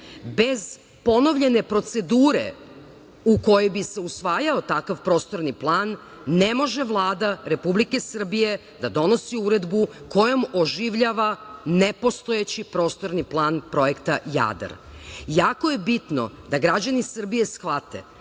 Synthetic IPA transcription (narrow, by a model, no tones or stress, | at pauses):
be̞z | po̞no̞ʋʎe̞nepɾo̞t̪se̞d̪uːɾḛ | uko̞jebise̞usʋaːjao̞t̪akaʋpɾo̞st̪o̞ɾniplˠaːnː | e̞mo̞ʒeʋlˠaːd̪aɾe̞publike̞sr̩bije̞ | d̪ad̪o̞no̞siuɾe̞d̪buko̞jo̞mo̞ʒiʋʎaːʋanepo̞st̪o̞jet͡ɕipɾo̞ːst̪o̞ɾniplˠaːnpɾo̞je̞kt̪aja̰ːd̪a̰ɾjaːko̞je̞bit̪no̞̰d̪aɡɾad͡ʑanisr̩bije̞sxʋat̪e̞̰